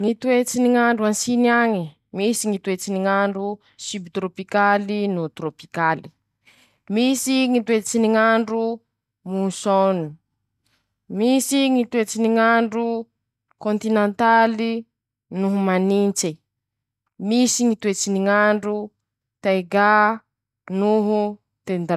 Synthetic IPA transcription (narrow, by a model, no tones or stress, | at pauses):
ŋit̪wet͡siniŋaɳɖ͡ʐuansiniaŋi | misiŋit̪wet͡siniŋaɳɖ͡ʐu | sybt̪ɾopikalinut̪ɾopi̥kali̥ | misiŋit̪wet͡siniŋaɳɖ͡ʐu | musonu | misiŋit̪wet͡siniŋaɳɖ͡ʐu | kont̪inent̪ali | nuɦumanint͡se | misiŋit̪wet͡siniŋaɳɖ͡ʐu | t̪ajɡa | nuɦu | t̪end̪